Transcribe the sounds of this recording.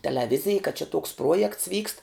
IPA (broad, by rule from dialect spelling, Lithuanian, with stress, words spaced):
tʲɛlʲɛˈʋʲɪzʲɪj kɐ t͡ʃʲɛ toːks ˈpruɔjɛkts ʋʲiːkst